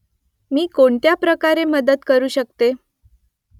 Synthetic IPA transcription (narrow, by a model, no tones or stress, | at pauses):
miːkoɳt̪japɾəkaɾeməd̪ət̪kəɾuːɕəkt̪e